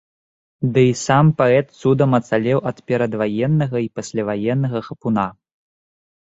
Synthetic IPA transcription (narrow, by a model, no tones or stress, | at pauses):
d̪ɨisampaɛt̪sud̪ɐmɐt̪salʲɛwʔɐt̪pʲɛɾɐd̪vajɛnːɐɣɐipasʲlʲavajɛnːɐɣɐxɐpuna